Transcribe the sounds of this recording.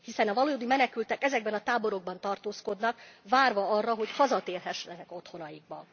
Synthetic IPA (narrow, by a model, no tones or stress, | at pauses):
hisɛnɒvɒlod̪imɛnɛkylt̪ɛkɛzɛɡ̚bɛnɒt̪aːbo̞ɾo̞ɡ̚bɒnt̪ɒrt̪oːsko̞d̪nɒkvaːrvɒɒrːɒɦo̞chɒzɒt̪eːlɦɛʃnɛnɛko̞t̪ho̞nɒjiɡ̚bɒn